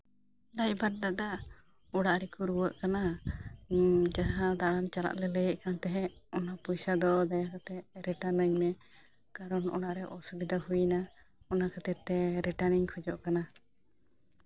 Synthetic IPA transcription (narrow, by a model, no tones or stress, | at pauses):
lajbaɾ̚d̪aʔd̪a | ɔɽaʔɾɛkuɾuwəʔkana | d͡ʒaɦad̪aɽant͡ʃala̰ʔlɛləjəʔkant̪ɛɦɛɔnapɔjsad̪ɔd̪ajakat̪ɛɾɛʈanəɲmɛ | kaɾɔnɔ̰ɽaʔɾɛʔɔsubid̪aɦujna | ɔnakat̪ɛt̪ɛɾɛʈaniɲkʰɔd͡ʒɔʔkana